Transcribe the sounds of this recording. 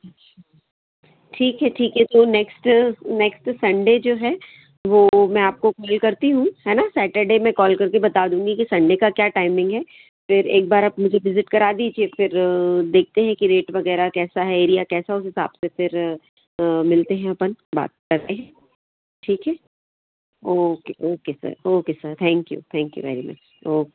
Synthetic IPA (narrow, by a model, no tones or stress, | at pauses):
ɐʃa | ʈʰiːkɦɛʈʰiːkɦɛt̪onɛksʈnɛksʈsɐ̃ɳɖed͡ʒoːɦɛː | ʋoːmɛ̃aːp̚kokɔːlkɐɾt̪iɦũhɛːnasɛːʈəɾɖemɛ̃kɔːlkɐɾkebɐt̪aːd̪ũːŋɡikisɐ̃ɳɖekakjaːʈaːɪmɪ̃ŋɡɦɛː | fɪɾeːk̚baːɾaːpmʊd͡ʒʱeʋɪzɪʈkɐɾaːd̪iːd͡ʒiefɪɾd̪eːk̚ʰt̪eɦɛ̃kiɾeːʈʋɐɡɛːɾakɛːsaɦɛeːɾijakɛːsaʊsɦɪsa̰ːbsefɪɾ | mɪlt̪eɦɛ̃ɐpənba̰ːt̪̚kɐɾt̪eɦɛ̃ | ʈʰiːkɦɛː | oːkeʔoːkesɐ̰ɾoːkesɐɾt̪ʰɛ̃ːŋkjṵt̪ʰɛ̃ːŋkjṵʋɛ̰ːɾimɐ̰t͡ʃ | oːke